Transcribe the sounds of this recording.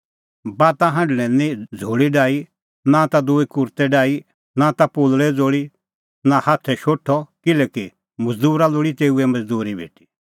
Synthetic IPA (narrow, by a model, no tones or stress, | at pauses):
baːt̪ãɦɐ̃ɳɖɽ̃ɛ̃nĩd͡zʱoːɽiɖaːi | nãt̪ad̪uikʊɾt̪ɛɖaːi | nat̪apoːlɭɛd͡zoːɽi | nãhaːt̪ʰɛʃoːʈʰɔkɪlɛːki | mɐd͡zd̪uːɾaloːɽit̪eːuɛmɐd͡zd̪uːɾibʱḛːʈi̥